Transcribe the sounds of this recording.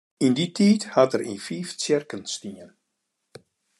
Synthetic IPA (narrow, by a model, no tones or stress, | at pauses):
inditʰiːthatərḭnfiːft͡sjɪrkənstiən